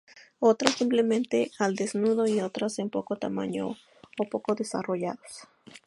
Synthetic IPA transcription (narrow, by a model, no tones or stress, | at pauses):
ot̪ɾasimplement̪eald̪esnuðoiot̪ɾasempokot̪ama̰ɲo̰ | opokoðesa̰roja̰ðos